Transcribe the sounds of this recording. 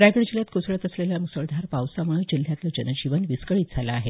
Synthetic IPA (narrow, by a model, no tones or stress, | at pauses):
ɾaɡəɽd͡ʑiljat̪kosɭət̪əsleljamusəɭd̪ʱaɾpawsaməɭəd͡ʑil̤ːjat̪ləd͡ʑənəd͡ʑiʋənʋiskəɭiːt̪̚d͡zʱalaːɦe